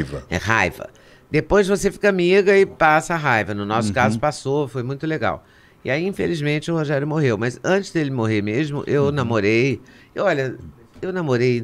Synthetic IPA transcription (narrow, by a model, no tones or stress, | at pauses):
vɐɛ̰ɦajvɐ̰ | d̪epojzvosefi̥kɐmiɡɐɪpasɐaɦajvɐnʊnɔsʊkazsʊpasofojmũj̃t̪ʊleɡa̰w | ɪaiĩfelizmẽnt͡ʃɪʊhoʒɛɾjʊmoɦewmɐzɐ̃nt͡ʃɪzd̪elɪmoɦeɾmezmʊ̰ʔewnamoɾejeɔʎɐ | ewnamoɾej